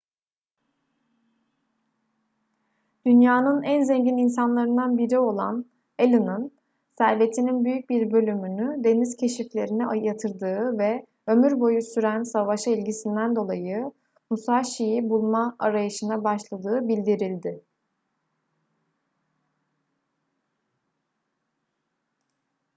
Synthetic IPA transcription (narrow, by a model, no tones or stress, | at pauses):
d̪̥ynjaːnɯnænzeɲɟininsanlˠaɾɯnd̪anbiɾio̞lˠa̰n | elʲɯnɯn | sæɾve̞t̪ʰininbyjyc̚biɾbø̞lʲymynyd̪e̞niz̥cʰe̞ʃiflʲe̞ɾinɛajat̪ʰɯɾd̪ɯːvɛ | ø̞myɾbo̞jusyɾænsavaʃailʲɟisind̪ænd̪o̞lˠajɯ | musaʃijibulˠmaaɾajɯʃɯnabaʃlˠad̪ɯːbilʲd̪iɾilʲd̪ɪ